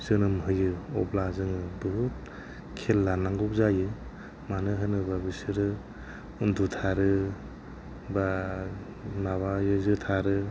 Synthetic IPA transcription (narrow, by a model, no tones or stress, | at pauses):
zɯnɯmɦɯjɯɔ̰blazɯŋɯbɯɦut̚ | kʰelːanaŋɡɔk̚zajɯ | manɯɦɯnɯbabisɯɾɯ | undutʰaɾɯ | ba | maβajɯzɯtʰaɾɯ